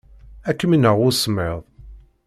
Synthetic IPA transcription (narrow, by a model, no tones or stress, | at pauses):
ækːəmənəʁʊsmeðˤ